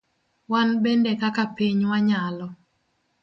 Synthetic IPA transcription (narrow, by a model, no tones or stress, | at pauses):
wanbɛndɛkakapiɲwaɲalɔ